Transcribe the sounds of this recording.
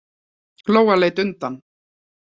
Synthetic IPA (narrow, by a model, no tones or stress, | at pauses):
kloːwalejt̪ʏnt̪an